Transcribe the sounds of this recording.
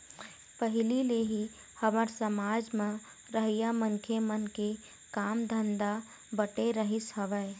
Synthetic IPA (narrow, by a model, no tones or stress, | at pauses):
pəɦɪlileɦi | həməɾsəmaːd͡ʒmẽ | ɾəɦijaməŋkʰemənke | kaːmd̪ʱə̃nd̪a | bəʈeɾəɦɪsɦəʋɛ